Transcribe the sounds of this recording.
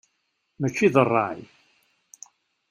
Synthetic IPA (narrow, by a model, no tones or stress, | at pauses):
mæt͡ʃːiðərˤːɑ̰ʕḭ